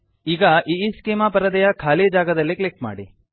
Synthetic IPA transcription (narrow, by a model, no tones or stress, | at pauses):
iːɡɐʔiːskeːmaːpɐɾɐd̪ɛjɐkʰaːlid͡ʒaːɡɐd̪ɐlːiklek̚ʈma̰ːɽi